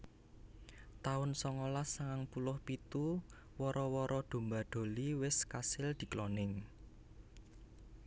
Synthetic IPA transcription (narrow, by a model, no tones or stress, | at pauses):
t̪aʊnsɔŋɔlasaŋaŋpulʊhpit̪u | wɔɾɔwɔɾʔɔɖ̪̥o̤mbaɖ̪̥o̤liwɪskasɪld̪̥i̤klɔnɪŋ